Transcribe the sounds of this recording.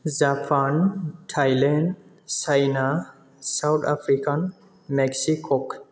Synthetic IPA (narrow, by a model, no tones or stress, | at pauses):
zapʰanʈʰajlenɖ | sajna | sawt̪ʰapʰɾikan | mɛksikʰɔk